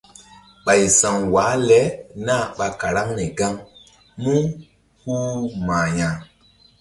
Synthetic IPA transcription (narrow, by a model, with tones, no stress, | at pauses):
ɓa˨jsã˨ŋwaː˨˦lɛ˨˦na˦˨ɓa˧ka˨ɾa˦ŋnɛ˨ɡa˦ŋ | mũ˦ | hu˦maː˨ɲã˨